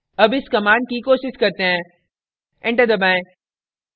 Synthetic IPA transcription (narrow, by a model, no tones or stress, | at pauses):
ɐbɪskɐmãːnɖ̚kikoːʃɪʃkɐɾt̪eɦãː | ɛ̃ɳʈəɾd̪ɐbãːẽ